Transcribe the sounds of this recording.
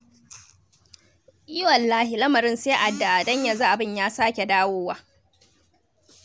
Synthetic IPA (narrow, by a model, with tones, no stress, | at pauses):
jɪ˦wɐ˨lːaː˦hi˨lɐ˦mɐ˨ɾɪ˦nseː˦ʔa˨dːa˨ʔa˨dɐ˦ɲja˨za˦ʔa˨bɪ˦ɲjaː˦saː˦kʲe˨daː˦woː˦waː˦